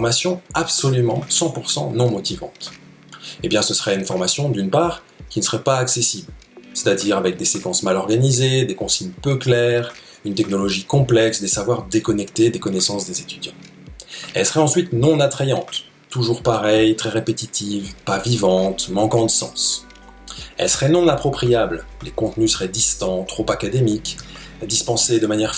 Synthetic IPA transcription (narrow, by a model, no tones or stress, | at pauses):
fɔʁmasjɔ̃apsɔlymɑ̃sɑ̃puʁsɑ̰̃nɔ̃mɔt̪ivɑ̰̃t̪ | ebjɛ̃səsəʁɛynfɔʁmasjɔ̃d̪ynpaːʁ | kʲinəsəʁɛpaːksesibl | se̥t̪ad̪iʁavɛk̚d̪esekɑ̃smalɔʁɡanized̪ekɔ̃siɲpøklɛʁ | ynt̪ɛknɔlɔʒikɔ̃plɛksd̪esavwaʁd̪ekɔnɛkt̪ed̪ekɔnɛsɑ̃sd̪ezet̪yd̪jɑ̃ | ɛ̰lsə̥ʁɛɑ̃sɥit̪nɔ̃nat̪χejɑ̃t̪ː | uʒuʁpaʁɛjt̪χɛʁepet̪it̪ʰivpavivɑ̃t̪mɑ̃kɑ̃d̪əsɑ̰̃s | ɛ̰lsə̥ʁɛnɔ̃napχɔpχijabllekɔ̃t̪nysəʁɛd̪ist̪ɑ̃t̪χopakad̪emikd̪ispɑ̃sed̪əmanjɛʁ